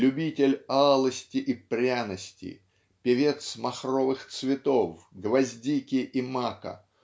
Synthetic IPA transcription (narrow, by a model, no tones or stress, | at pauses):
lʲʊbʲitʲɪlʲalˠəsʲtʲɪʔipɾʲanəsʲtʲɪ̰ | pʲɪvʲe̞t̪smɐxrovɨxt̪svʲɪt̪ofɡvɐzʲdʲikʲɪʔimakə̰